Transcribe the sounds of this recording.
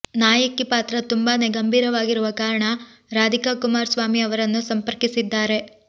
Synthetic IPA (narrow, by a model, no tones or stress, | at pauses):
naːjɐkipaːt̪ɾɐt̪umbaːneɡɐmbʱiːɾɐʋaːɡiɾuʋɐkaːɾɐɳɐ | ɾaːd̪ʱikakumaːɾsʋaːmiɐʋɐɾɐnːusɐmpɐɾkisid̪ːaːɾe̞